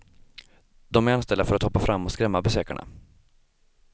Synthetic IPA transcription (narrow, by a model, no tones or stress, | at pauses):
d̪ɔmæɾanst̪ɛld̪afœɾat̪hɔpːafɾamːɔskɾɛmːabɛsøːka̰ɳa̰